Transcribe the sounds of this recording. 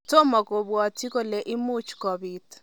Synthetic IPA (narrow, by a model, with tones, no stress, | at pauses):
to˦mɔ˨ko˨bwɔ˨ti˦ko˦le˨ʔɪ˦mu˦t͡ʃkɔ˨bi˨t